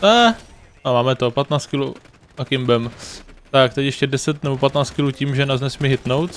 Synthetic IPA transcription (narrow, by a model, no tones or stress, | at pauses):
nɛ | omaːmɛt̪opat̪naːt͡skɪlu | akɪmbɛmt̪ak̚t̪ɛcjɛʃcɛdɛsɛt̪nɛbopat̪naːt͡s̪kɪluːciːmʒɛnaznɛsmɪɦɪt̪no̞wt̪